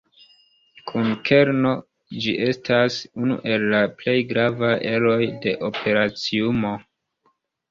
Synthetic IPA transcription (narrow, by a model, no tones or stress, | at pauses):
kʰunkʰe̞ɾno̞ | d͡ʒiʔe̞stʰasunṵʔe̞lːaple̞jɡɾavajʔe̞lo̞jde̞ʔo̞pʰe̞ɾat͡siumo̞